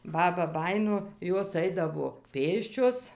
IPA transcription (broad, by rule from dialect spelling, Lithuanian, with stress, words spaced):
ˈbɑːbɐ ˈbɑːjɪnoː ˈjoːs ˈɐɪdɐʋoː ˈpʲeːsʲt͡ʃʲoːs